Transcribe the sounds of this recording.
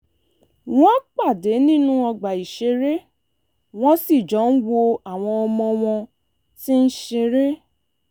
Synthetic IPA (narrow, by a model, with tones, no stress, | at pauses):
w̃ɔ̃˦k͡pa˦˨de˨˦nĩ˦nũ˦ɔ˧ɡ͡ba˨i˨ʃe˧ɾe˦ | w̃ɔ̃˦si˦˨d͡ʒɔ̃˨˦n̩˦wo˧a˨w̃ɔ̃˧ɔ˧mɔ̃˧w̃ɔ̃˧ | ti˦n̩˦ʃe˧ɾe˦